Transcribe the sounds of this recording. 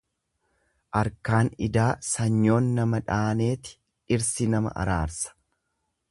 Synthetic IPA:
ʔɐɾkaːnɪd̪aːsɐɲːo̞ːnːɐmɐᶑaːne̞ːt̪ɪ̥ | ɪɾsɪnɐmɐ̰ʔɐ̰ɾaːɾsɐ̥

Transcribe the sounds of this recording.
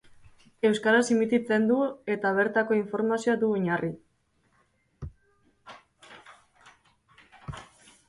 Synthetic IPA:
e̞wskaɾasimit̪it͡se̞nd̪ue̞t̪aβ̞e̞ɾt̪ako̞iɱfo̞ɾmasioad̪uoɲari

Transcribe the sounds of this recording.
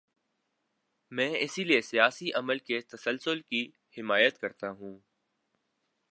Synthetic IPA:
mɛ̃ːɪsiliesijaːsiʔɐməlket̪ɐsəlsʊlki | hɪmaːjət̪kɐɾt̪aɦũː

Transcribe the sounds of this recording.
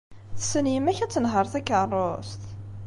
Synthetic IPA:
θəsənjəmæçæt͡sːənɦəɾˤθækːərˤːost̪

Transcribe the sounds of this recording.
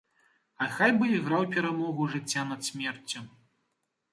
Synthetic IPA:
ɐxajbɨiɣɾawpʲɛɾamɔɣuʐɨt͡sʲːanɐt̪sʲmʲɛrt͡sʲːɐ

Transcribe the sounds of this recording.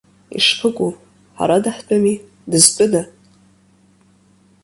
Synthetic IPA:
ḭʂpʰɨkʷʼu | ħa̰ɾadaħt͡pʼami | dɨzpʷʼʊda

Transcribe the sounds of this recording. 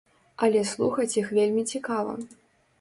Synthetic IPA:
ɐlʲɛslˠuxɐt͡sʲjixvʲelʲmʲit͡sʲikavɐ̰

